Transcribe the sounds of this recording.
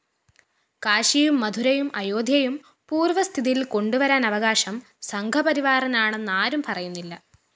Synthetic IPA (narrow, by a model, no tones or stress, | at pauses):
kaːɕijumːɐd̪ʱuɾɐjumɐjoːd̪ʱjɐjum | puːrʋɐst̪ʰiðijilko̞ɳɖuʋɐɾaːnɐʋɐɣaːɕɐm | sɐŋɡʱɐpɐɾiʋaːrɐnaːɳe̞nːaːɾumpɐrɐjunːilːɐ